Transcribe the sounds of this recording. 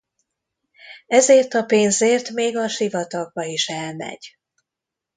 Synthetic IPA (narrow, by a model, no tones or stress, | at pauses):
ɛzeːrt̪ɒpeːnzeːrt̪meːɡɒʃivɒt̪ɒɡ̚bɒiʃɛlmɛ̰ɟ